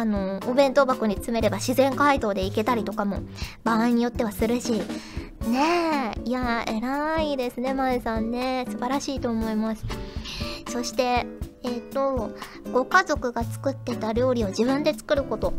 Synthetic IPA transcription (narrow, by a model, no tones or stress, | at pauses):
ano̞ːbẽ̞nt̪o̞bakɯ̟ɲ̟it͡sɨme̞ɾe̞baɕizẽ̞ŋkaid̪o̞ːd̪e̞ike̞t̪aɾʲit̪o̞kamo̞̰b̥aːiɲ̟ijo̞t̪ːe̞βasɨɾɯɕiː | ne̞iae̞ɾaid̪e̞sɨne̞maesãnːe̞sɨbaɾaɕiːt̪o̞ːmo̞imasɨ̥ | so̞ɕi̥t̪e̞eːt̪ːo̞ | ɡ̥o̞kazo̞kɯ̟ɡat͡sɨ̥kɯ̟t̪ːe̞t̪aɾʲo̞ːɾʲio̞ʑibɯ̟̃nd̪e̞t͡sɨ̥kɯ̟ɾɯ̟ko̞t̪o̞